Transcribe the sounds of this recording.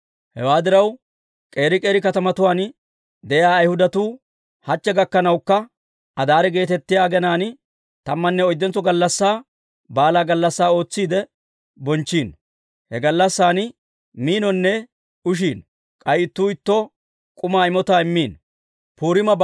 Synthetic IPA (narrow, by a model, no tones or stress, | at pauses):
hɛ̰waːd̪ɪɾɐw | kʼe̞ːɾɪkʼe̞ːɾɪkɐt̪ɐmɐt̪ʊwaːn | d̪ɛjaːɐjhʊd̪ɐt̪uː | hɐt͡ʃːɛɡɐkːɐnɐwkːɐ | ɐd̪aːɾɛɡe̞ːt̪ɛt̪ːɪjaːɡɛnaːn | t̪ɐmːɐnːɛɔjd̪ːɛnt͡sːɔɡɐlːɐsːaː | baːlaːɡɐlːɐsːaːo̞ːt͡sːiːd̪ɛ | bɔnt͡ʃːiːn | hɛɡɐlːɐsːaːn | miːnɔnːɛ | ʊʃ̬iːn | kʼɐjɪt̪ːuːɪt̪ːɔ | kʼʊmaːɪmɔt̪aːɪmːiːn | puːɾɪmɐ